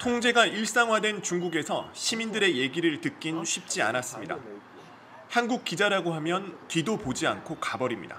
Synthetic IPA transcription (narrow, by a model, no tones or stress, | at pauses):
tʰoŋd͡ʑe̞ɡaʔiɭs͈aŋɦwadwe̞nt͡ɕuŋɡuɡe̞sʰʌ̰ɕʰimindɯɾe̞je̞ɡiɾɯɭtɯk͈̚inɕʰip̚t͡ɕ͈ia̰nas͈ɯmɲida̰ | hanɡuk̚k͈id͡ʑaɾaɡoɦamjʌntɥidopod͡ʑia̰nkʰokabʌɾimɲḭda̰